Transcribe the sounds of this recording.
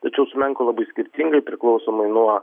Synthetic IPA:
t̪ɐt͡ʃʲɛʊsʊmʲɛŋkolˠɐbɐɪsʲkʲɪɾʲt̪ʲɪŋɡɐɪpʲɾʲɪklˠɒʊsoːmɐɪnuɔ

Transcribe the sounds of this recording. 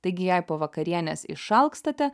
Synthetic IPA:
t̪ɐɪɡʲɪjɛɪpoːʋɐkɐɾʲiɛnʲɛ̰ːsɪ̰ʃʃɐlˠkst̪ɐt̪ʲɛ

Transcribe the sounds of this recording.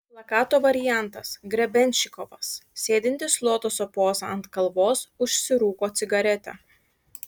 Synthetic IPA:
plˠɐkɑːt̪oːʋɐɾʲɪjæˑnt̪ɐsɡɾʲɛbʲɛnʲʃʲɪkɔʋɐsːʲeːd̪ʲɪnʲt̪ʲɪslˠoɔt̪oːsoːpoːzɐɐnt̪kɐlˠʋoːsʊʃʲsʲɪɾuːkoːt̪sʲɪɡɐɾʲɛt̪ʲɛ̰

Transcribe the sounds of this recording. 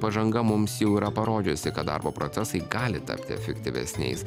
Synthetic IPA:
pɐʒɐŋɡɐmʊmsjɛʊiːɾɐpɐɾoːd͡ʒʲʊsʲɪkɐt̪̚d̪ɑ̰ːɾboːpɾoːt̪sʲɛsɐɪɡɑːlʲɪt̪ɐ̰pʲt̪ʲɪɛ̰fʲɛkt̪ʲɪʋʲɛ̰sʲnʲɛ̰ɪs

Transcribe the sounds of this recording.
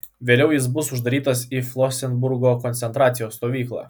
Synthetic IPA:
ʋʲeːlʲɛʊjɪs̬bʊsʊʒd̪ɐɾʲiːt̪ɐsiflˠɔsʲɛnbʊɾɡoːkɔnʲt̪ʲɛnt̪ɾɑːt̪sʲɪjoːst̪oːʋʲiːklˠɑ̰ː

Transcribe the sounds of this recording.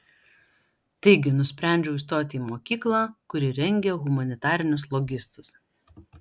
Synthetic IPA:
t̪ɐɪɡʲɪnʊsʲpʲɾʲɛˑnʲd͡ʒʲɛʊɪst̪oːt̪ʲiːmoːkʲiːklˠɑːkʊɾʲɪɾʲɛŋʲɡʲɛɣʊmɐnʲɪt̪ɑːɾʲɪnʲʊslˠɔɡʲɪst̪ʊs

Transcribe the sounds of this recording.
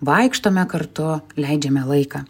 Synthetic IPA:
ʋɐɪkʃt̪oːmʲɛkɐrt̪ʊlʲɛɪd͡ʒʲɛmʲɛlˠɐɪkɑ

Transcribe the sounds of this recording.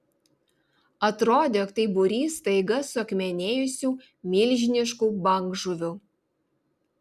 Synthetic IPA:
ɐt̪ɾoːd̪ʲeːkt̪ɐɪbʊɾʲiːst̪ɐɪɡɐsʊɐkmʲɛnʲeːjʊsʲuː | mʲɪlʲʒʲɪnʲɪʃkuːbɐŋɡʒʊʋʲʊ

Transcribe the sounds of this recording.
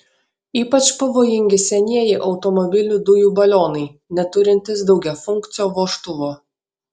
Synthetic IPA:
iːpɐt͡ʃpɐʋoːjɪŋʲɡʲɪsʲɛnʲiɛjɪʔɒʊt̪ɔmɔbʲɪlʲʊd̪ʊjuːbɐlʲoːnɐɪ | nʲɛt̪ʊɾʲɪnʲt̪ʲɪsd̪ɒʊɡʲɛfʊŋʲˑkt̪sʲɪjoːʋoːʃt̪ʊʋoː

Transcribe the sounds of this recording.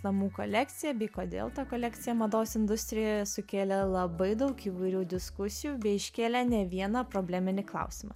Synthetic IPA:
nɐmuːko̰lʲækt̪ʲɪjɛbʲɛɪkoːd̪ʲḛːlˠt̪ɐkoːlʲækt̪ʲɪjɛmɐd̪oːsɪnd̪ʊsʲt̪ʲɾʲɪjoːjɛsʊkʲeːlʲɛlˠɐbɐɪd̪ɐʊkiːʋɐɪɾʲuːd̪ʲɪskʊsʲɪjuːbʲɛɪɪʃʲkʲeːlʲɛnʲɛʋʲiɛnɐːpɾoːbʲlʲæːmʲɪnʲɪklˠɐ̰ʊsʲɪmɐ̰

